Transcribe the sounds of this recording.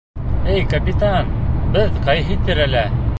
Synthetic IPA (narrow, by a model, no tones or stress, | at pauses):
ɘjkɐpʲit̪anbɘðqɑjɦɘt̪ɘɾælæ